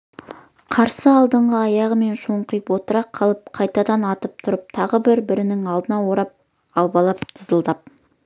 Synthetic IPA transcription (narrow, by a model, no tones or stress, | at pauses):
qʰɑɾsəɑlˠd̪əɴʁəɑjɑʁəme̞nʃoɴqəjəpwo̞t̪əɾɑqʰɑlˠəp̚qʰɑjt̪ɑd̪ɑnɑt̪əp̚t̪ʰʊɾəp̚t̪ʰɑʁəbɪɾbɪɾɪnɪŋɑlˠd̪ənɑwo̞ɾɑp̚ | ɑw̪ˠbɑlˠɑpt̪ʰəzəlˠd̪ɑp̚